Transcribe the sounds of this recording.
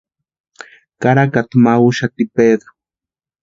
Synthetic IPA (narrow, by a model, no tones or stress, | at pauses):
kaɾakat̪maʊʃat̪ɪpeɢ̪ḁ